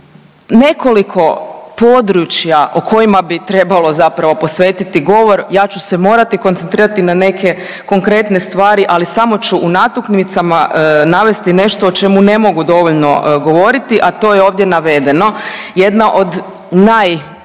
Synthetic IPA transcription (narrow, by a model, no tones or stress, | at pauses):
ne̞ko̞likʰo̞pod̪ɾut͡ʃjaʔokʰo̞jimabit̪ɾe̞balˠo̞zapɾaʋo̞po̞sʋe̞ːt̪it̪iɡo̞ʋo̞ɾjaːt͡ʃusemo̞ːɾat̪ikonent̪ɾiːɾat̪inane̞ke̞ | ko̞ŋkɾe̞t̪ne̞st̪ʋaːɾiʔalisamo̞t͡ɕuʔunat̪ukniʋit̪samanaʋe̞st̪ine̞ʃt̪o̞ot͡ʃe̞mune̞mo̞ɡud̪o̞ʋoʎno̞̰ɡo̞ʋo̞ɾit̪iʔat̪o̞jeo̞ːʋd̪je̞naʋe̞d̪e̞no̞jed̪naʔo̞d̪ | naj